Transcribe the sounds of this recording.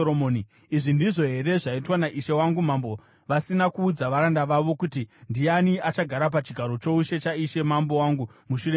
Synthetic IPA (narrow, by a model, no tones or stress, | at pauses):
omoːni | iʐindiʐo̞ɦe̞ɾe̞ʐaitwanaʔiʃe̞waŋɡumambo̞ | ʋasinakuːd͡zaʋaɾandaʋaʋo̞kutindianiat͡ʃaɡʱaɾap̬at͡ʃiɡʱaɾo̞t͡ʃo̞uʃe̞t͡ʃaiʃe̞mambo̞waŋɡumuʃure